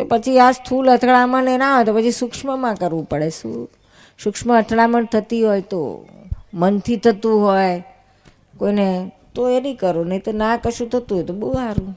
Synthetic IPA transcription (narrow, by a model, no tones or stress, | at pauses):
t̪opət͡ʃʰiast̪ʰulət̪ʰɭamənenaɦojt̪opət͡ʃʰisukʂməmãkəɾʋũpəɽeʃṵ̃ | sʊkʂməːt̪ʰɭamənt̪ʰət̪iɦojt̪o̰ | mənt̪ʰit̪ʰət̪ũɦoj | koinet̪oenĩkəɾonəjt̪onakəʃũt̪ʰət̪ũɦɔjt̪obəɦuaɾũ